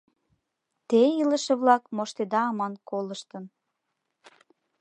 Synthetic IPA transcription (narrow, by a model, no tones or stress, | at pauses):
t̪ejiləʃĕβlɑkmoʃt̪ed̪ɑɑmɑnkoləʃt̪ə̆n